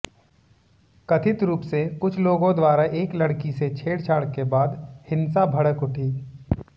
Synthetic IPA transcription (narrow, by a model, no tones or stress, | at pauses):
kɐt̪ʰɪt̪ɾuːpsekʊt͡ʃʰloːɡõd̪waːɾaʔeːklɐɽkiset͡ʃʰeːɽt͡ʃʰaːɽkebaːd̪hɪ̃nsabʱɐɽəkʊʈʰiː